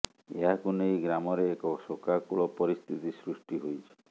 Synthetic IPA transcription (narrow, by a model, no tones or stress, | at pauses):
ḛɦakunejɡɾamɔɾeːkɔsokakuɭɔpɔɾist̪ʰit̪isɾusʈiɦojt͡ʃʰi̥